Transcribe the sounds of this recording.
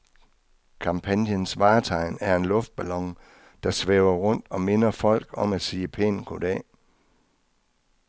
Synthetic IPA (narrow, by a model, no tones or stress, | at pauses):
kʰɑ̈mpʰænjənsʋɑ̈ːt͡sʰɑ̈ɪ̰næɐe̝nlɔ̽fd̥̚b̥ælɒ̽ŋ | d̥ɑ̈sʋeʊɐʁɔ̽n̰d̥ɒ̽me̝nɐfɒ̽l̰ɡ̥ɒ̽mæ̥siːəpʰḛːnn̩kʰod̥ɛː